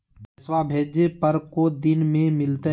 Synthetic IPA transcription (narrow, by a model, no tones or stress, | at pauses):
bəswaːbʱeːd͡ʒpəɾkoːd̪ɪnmẽmɪlt̪e